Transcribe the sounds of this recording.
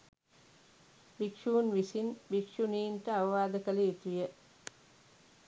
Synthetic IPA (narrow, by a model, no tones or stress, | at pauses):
bikʂuːnʋisinbikʂuniːnʈəaʋɐʋaːd̪əkəleit̪ujə